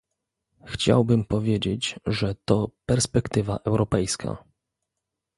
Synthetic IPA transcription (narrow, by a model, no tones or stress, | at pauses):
xt͡ɕa̰wbɘmpɔvʲjed͡ʑet͡ɕʐɛt̪ɔpɛɾspɛkt̪ɘva̰ʔɛwɾɔpɛjskʰa̰